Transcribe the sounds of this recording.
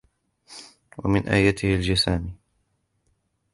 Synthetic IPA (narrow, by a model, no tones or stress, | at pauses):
wa̰mɪnʔa̰ːjat̪ɪhɪld͡ʒasaːmiː